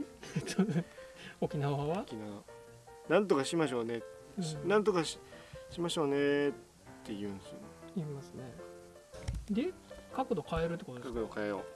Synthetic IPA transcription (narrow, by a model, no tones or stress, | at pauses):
so | o̞kʲinaaβaβakʲinaβa | nãnt̪okaɕimaɕ̬o̞ːne | ɯɕnãnt̪̬okaɕɕimaɕo̞ːne | t̪ːejɯ̟̃nsɨimasɨne̞ | d̪e̞kakod̪o̞kaeɾɯ̟t̪̬ːekotokakod̪o̞kaejo̰